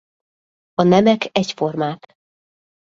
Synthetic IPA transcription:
ɒnɛmɛkɛcfo̞rmaːk̪

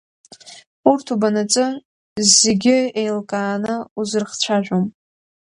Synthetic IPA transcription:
urtʰubanat͡sʼɨ | zeɡʲɪejlkʼaːnɨuzɨrχt͡ɕʷʰaʒʷᶣom

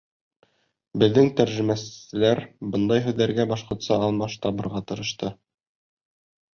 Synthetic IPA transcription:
bɘ̆ðːɘŋt̪æɾʒɘ̆mæsɘ̆læɾbɤnd̪ɑjɦɘ̆ðːæɾɡæbɑʃqŏt̪sɑɑlˠmɑʃt̪ɑbɤ̆ɾʁɑt̪ɤ̆ɾɤ̆ʃt̪ɤ

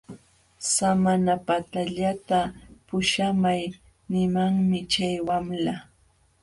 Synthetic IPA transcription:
samanapat̪aʎat̪apʊʃamaj | nɪmaŋmɪt͡ʃajwamla

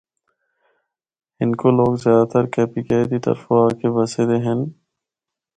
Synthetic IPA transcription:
ɪnkoloːɡzjaːd̪at̪əɾkɛːpikeːed̪it̪ə̰ɾfoaːkebəsed̪eɦɛn

